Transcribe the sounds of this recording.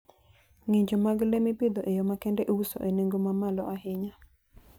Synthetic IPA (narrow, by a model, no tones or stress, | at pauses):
ŋeɲd͡ʒomaɡlemipɪd̪oʔejomakɛndɛʔouso̰ʔeneŋɡomamalɔʔaɦɪɲa